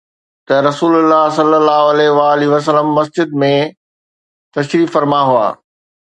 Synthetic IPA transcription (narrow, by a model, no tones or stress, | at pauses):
t̪ɐɾɐsuːlʊlːaɦsɐlːəlːaːɦʊɐlɛɦʋaːliʋɐs̬ələmːɐsd͡ʑɪd̪mẽ | t̪ɐʃɾiːfɐɾmaɦua̰ː